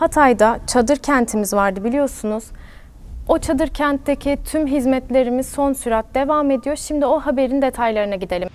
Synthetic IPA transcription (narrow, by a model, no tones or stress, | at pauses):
hat̪ʰajd̪at͡ʃʰad̪ɯɾcʰænt̪ʰimizvaɾd̪ɯbilʲijo̞ɾsunuz̥ | o̞t͡ʃʰad̪ɯɾcʰænt̪d̪ecʰit̪ʰymɦizmɛt̪lʲe̞ɾimiz̥so̞nsyɾat̪̚d̪e̞vaːme̞d̪ijo̞ɾʃimd̪io̞ɦabe̞ɾind̪e̞t̪ʰajlˠaɾɯnaɟid̪elʲim